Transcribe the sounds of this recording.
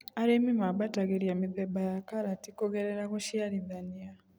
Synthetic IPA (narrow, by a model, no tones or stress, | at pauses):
aɾemimabataɣeɾiamiðebajakaɾatikoɣeɾeɾaɣoʃjaɾiðania